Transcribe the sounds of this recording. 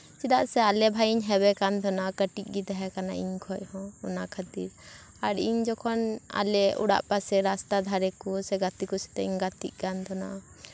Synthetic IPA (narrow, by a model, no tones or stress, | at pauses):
sidaʔsɛalɛbʱajiɲɦɛbɛkant̪ʰɔnakəʈiɡit̪aɦɛkana̰ʔḭɲkʰɔʔhɔ̃ɔnakʰat̪ḭɾ | aɾiɲd͡ʒɔkʰɔna̰lɛṵɽa̰ʔpasɛɾast̪ad̪ʱaɾɛkɔsɛɡat̪ikɔsɛ̥t̪ɛiɲɡat̪ḭʔ̚ˀkant̪ʰɔna̰ʔ